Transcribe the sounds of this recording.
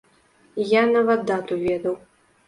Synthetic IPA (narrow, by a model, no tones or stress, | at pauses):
janɐvad̪ːat̪uvʲɛd̪ɐw